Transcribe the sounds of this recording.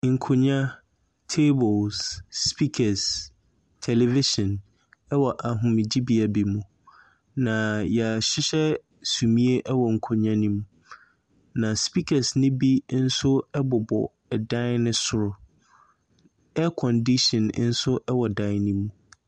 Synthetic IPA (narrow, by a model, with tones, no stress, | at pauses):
ŋ̩˨kʰo˨ɲã˦ | tʰe˦bʊ˨lsːpʰi˦kʰɛ˨s | tʰɛ˨lɛ˨vi˦ʃɔ̃˨n | ɛ˦wɔ˨ʔa˨ɦʊ̃˨mɪ̃˨d͡ʑi˦bi˨a˨bi˨mũ˨ | nã˨jɛ˨a˨ɕɪ˦ɕɛ˦ | su˨mĩ˦e˦ʔɛ˦wɔ˨ŋ̩˨kʰo˨ɲã˦nĩ˦mũ˨ | nã˨spi˦kʰa˨snɪ̃˦bi˦n̩˦sʊ˦ɛ˦bʊ˨bɔ̰˨ | ɛ˨dã˦nnɪ̃˦sʊ˦ɾʊ˦ | ɛ˦kʰɔ̃˨ndi˦ʃɔ̃˨n˦n̩˦sʊ˦ʔɛ˦wɔ˨dã˦nĩ˦mũ˨